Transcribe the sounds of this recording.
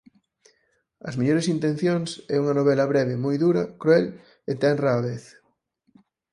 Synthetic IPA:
ɐ̰zmeʎoɾesint̪ẽn̟θjoŋsɛuŋɐnoβ̞ɛlɐβɾɛβemojðuɾɐkɾuɛl | et̪ɛnraβeθ

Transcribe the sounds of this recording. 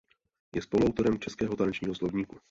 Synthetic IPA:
jɛspo̞luawt̪o̞ɾɛmt͡ʃɛskɛːɦot̪anɛt͡ʃɲiːɦoslo̞vɲiːku

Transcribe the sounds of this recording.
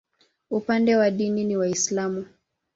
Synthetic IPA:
upandɛwaɗininiwaislamu

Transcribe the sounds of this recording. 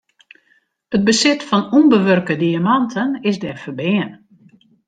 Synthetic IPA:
ət̚bəsɪtfɔnunbəʋørkədiamɑntʰənɪzdɛrfərbɪːən

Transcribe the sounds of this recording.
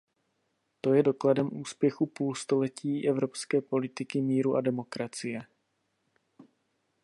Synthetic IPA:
t̪o̞jɛdo̞kladɛmʔuːspjɛxupuːlst̪o̞lɛciːʔɛvɾo̞pskɛːpo̞lɪt̪ɪkɪmiːɾuʔadɛmo̞kɾat͡sɪjɛ

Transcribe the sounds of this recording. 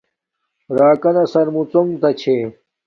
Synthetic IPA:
ɾaːkɐnɐsɐɾmut͡somt̪ɐt͡ɕʰe

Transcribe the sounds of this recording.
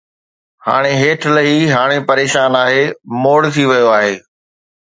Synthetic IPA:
ha̰ːɽ̃eɦeːʈʰləɦiɦaːɽ̃epɐɾeːʃaːnaːɦeːmoːɽt̪ʰiʋɐjoaːɦeː

